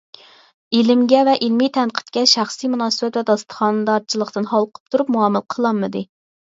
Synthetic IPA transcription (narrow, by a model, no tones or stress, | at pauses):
ilɪmɡʲɛvɛʔilmijt̪ʰɛnqʰə̥t̪kʲɛʃæχsijmunɑːsɨbɛt̪vɛd̪ɑst̪ə̥χɑnd̪ɑɾt͡ʃʰilˠəqt̪ɨnhɑlˠqʰə̥p̚t̪ʰuɾupmuɑmɨlˠqʰəlˠɑmːɨd̪ɨ